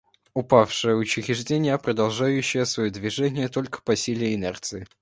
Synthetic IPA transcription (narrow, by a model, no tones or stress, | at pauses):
ʊpafʂɨjəʊt͡ɕɪɣʲɪʐdʲenʲɪjəpɾəd̪ɐlˠʐajʉɕːɪjəsvɐjod̪vʲɪʐɛnʲɪjət̪o̞lʲkə̥pɐsʲilʲɪjəɪnɛrt̪sɨɪ